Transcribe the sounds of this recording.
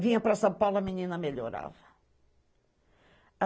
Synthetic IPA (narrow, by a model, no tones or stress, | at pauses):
vĩɲɐpɾɐsɐ̃pawlɐminĩnɐmeʎoɾa̰vɐ | ɐ